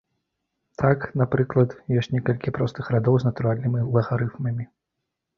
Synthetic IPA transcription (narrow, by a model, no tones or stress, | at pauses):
t̪ʰaknapɾɨklˠɐt̪jɔsʲt͡sʲnʲɛkɐlʲkʲipɾɔst̪ɨxɾad̪ɔwznɐt̪uɾalʲnɨmʲilˠɐɣaɾɨfmɐmʲi